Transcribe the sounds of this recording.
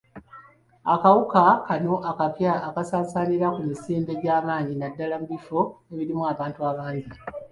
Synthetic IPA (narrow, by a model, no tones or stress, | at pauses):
a̰kawukakano̞ʔakapjaːkasaːsaniɾakumisiːmbe̞ɟaːmaːɲinadːalamuβifo̞eβiɾimuaːβaːntuaβaːɲɟi